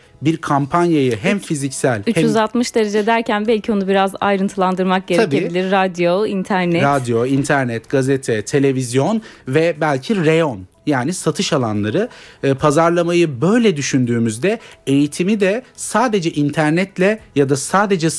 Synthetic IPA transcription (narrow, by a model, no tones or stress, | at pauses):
biɾkʰampʰanjajɯɦɛmfizicsælʲyt͡ʃhyzat̪mɯʃd̪eɾed͡ʒɛd̪æɾcænbælʲcʰio̞nubiɾaza̰jɾɯnt̪ʰɯlˠand̪ɯɾmak̚ɟe̞abebilʲiɾːad̪joint̪ʰæɾnɛɾad̪jo̞int̪ʰæɾnɛt̪ɡ̥azet̪ʰɛt̪ʰe̞lʲe̞vizjo̞nvɛbælʲcʰiɾe̞jo̞n | jaːnisat̪ʰɯʃalˠanlˠaɾɯpʰazaɾlˠamajɯbø̞jlʲɛd̪yʃynd̪yːmyzd̪ɛejit̪ʰimid̪ɛsaːd̪e̞d͡ʒɛʔint̪ʰæɾnɛt̪lʲɛjad̪asaːd̪e̞d͡ʒɛ